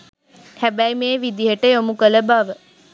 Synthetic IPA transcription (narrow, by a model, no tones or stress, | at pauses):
hæbæjmeːʋid̪iɦəʈəjomukələbaʋə